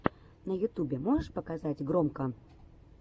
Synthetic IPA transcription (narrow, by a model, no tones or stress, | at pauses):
nɐjʊt̪ubʲɛmɔʐəʂpəkazat͡sʲɡɾɔmkə